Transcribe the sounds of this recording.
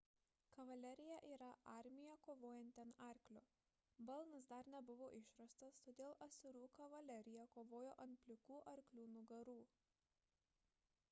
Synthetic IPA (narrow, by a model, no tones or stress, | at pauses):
kɐʋɐlʲɛɾʲɪjɛʔiːɾɐʔɑˑɾʲmʲɪjɛkoːʋoːjɛnʲt̪ʲɐnɑˑɾʲklʲoː | bɐlˠnɐs̬d̪ɐɾnʲɛbʊʋoːʔɪʃɾɐst̪ɐst̪oːd̪ʲeːlˠʔɐsʲʊɾuːkɐʋɐlʲɛɾʲɪjɛkoːʋoːjoːʔɐnt̪̚pʲlʲɪkuːʔɐɾʲklʲuːnuːɡɐɾuː